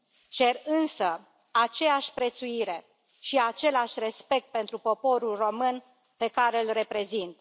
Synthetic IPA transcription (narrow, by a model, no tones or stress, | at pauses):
t͡ʃe̞rɨnsə | at͡ʃe̞aʃʲpɾe̞t̪suiɾe̞ | ʃiat͡ʃe̞laʃʲre̞spe̞k̚t̪̚pe̞nt̪ɾupo̞po̞ɾulro̞mɨn | pe̞kaɾe̞ɨlre̞pɾe̞zint̪